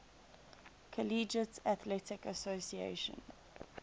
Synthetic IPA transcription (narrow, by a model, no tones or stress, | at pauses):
kʰəliːd͡ʒətæθlɛtɪkəsosiḛʃə̰̃n